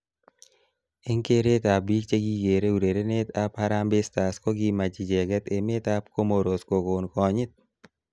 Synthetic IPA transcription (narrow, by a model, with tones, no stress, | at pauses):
e˦ŋke˦ɾe˦t̪a˨b̚bi˦k̚t͡ʃe˦ɡi˦ɡe˨ɾe˦u˨ɾe˨ɾe˦ne˦t̪a˨pa˦ɾa˦mbɪ˦st̪a˨sko˦ɡi˦ma˨d͡ʒi˨d͡ʒɛ˨ɡɛ˦t̪e˨me˦t̪a˦pko˦mo˨ɾo˨sko˨ko˨nkɔ˨ɲɪ˦t̪̚